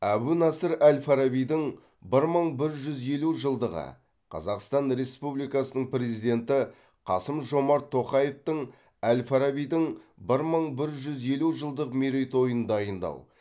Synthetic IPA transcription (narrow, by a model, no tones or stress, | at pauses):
æbunɑsəɾælʲfaɾabijd̪əɴ | bɪɾməɴbɪɾʒʏze̞luʒəlˠd̪əʁə̰ | qʰɑ̰zɑqst̪ɑnɾe̞spublijkɑsənəɴpɾe̞zijd̪e̞nt̪ɪ | qʰɑsəmʒo̞mɑɾt̪ʰːo̞qɑje̞ft̪əɴ | ælʲfaɾabijd̪əɴbɪɾməɴbɪɾʒʏze̞luʒəlˠd̪əqmeɾejt̪o̞jənd̪ɑjənd̪ɑ̰w